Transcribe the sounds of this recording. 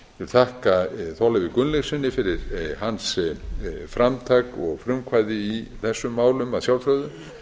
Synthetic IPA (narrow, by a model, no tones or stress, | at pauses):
jɛvɪlθʰahkaθɔlɛvɪkʏnlexsɪnːɪfɪɾɪɾ̥hans | fɾamt̪ʰakɔɣfɾʏmkʰvaːjðɪiθɛsːʏmːaːwlʏmaðsjawlfɾœɥðʏm